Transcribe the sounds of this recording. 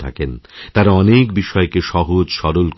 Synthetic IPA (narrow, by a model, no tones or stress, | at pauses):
t̪ʰa̰kent̪aɾaɔnekbiʃɔekeʃɔɦod͡ʑʃɔɾolk